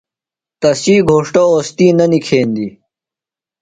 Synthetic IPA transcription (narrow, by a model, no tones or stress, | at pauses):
t̪ɐsiːɡʱoːʂʈooːst̪iːnɐnikʰeːnd̪i